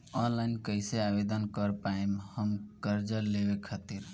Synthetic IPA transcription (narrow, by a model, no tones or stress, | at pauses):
ɔnlaɪnkəɪseabed̪ənkəɾpaemhəmkəɾd͡ʒəlebekʰət̪iɾ